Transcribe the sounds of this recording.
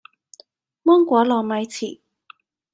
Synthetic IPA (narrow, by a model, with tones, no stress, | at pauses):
mɔː˥ŋkʷɔː˨˥lɔː˨˩mɐ˨˧˥jt͡sʰiː˨˩